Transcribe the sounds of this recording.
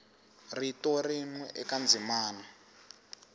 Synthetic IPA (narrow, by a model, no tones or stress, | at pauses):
ritɔrinwɛʔɛkand͡zʱimaːna